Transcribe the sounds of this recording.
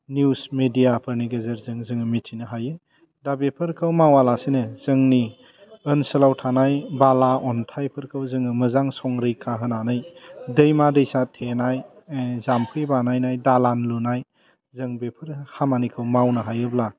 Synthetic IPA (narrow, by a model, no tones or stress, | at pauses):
nusmedijapʰɯɾniɡezeɾzɯŋzɯŋɯmetʰinɯɦajɯ | dabepʰɯɾkʰɯwmawalasinɯz̥ɯŋni | ənsɯlawtʰanajbalaɔntʰajpʰɯɾkʰɯwzɯŋɯmɯzaŋsɔŋɾɯjkʰaɦɯnanɯjdɯjmadɯjsatʰenaj | zampʰɯjbanajnajdalanlunaj | zɯŋbepʰɯɾhamanikʰɯwmawnɯɦajɯbla